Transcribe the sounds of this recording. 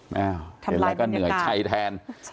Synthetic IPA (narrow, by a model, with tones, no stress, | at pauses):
mɛː˧˩wʰe˨˦lːɛː˦kɔː˥˩nɯ˨˦ɐjt͡ɕʰa˧jt̪ʰɛː˧n